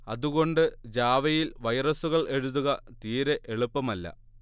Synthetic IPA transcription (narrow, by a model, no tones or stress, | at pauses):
ɐðuɣo̞ɳɖɨd͡ʑaːʋɐjilʋɐjrɐsuɣɐɭʔe̞ɻuðuɣɐt̪iːɾeʔeɭupːɐmɐlːɐ̰